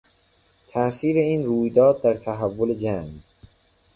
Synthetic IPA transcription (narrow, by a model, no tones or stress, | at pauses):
t̪ʰæʔsiːɾe̞iːnruːjd̪ɒːd̪̚ːæɾt̪ʰæɦævːole̞d͡ʒæŋ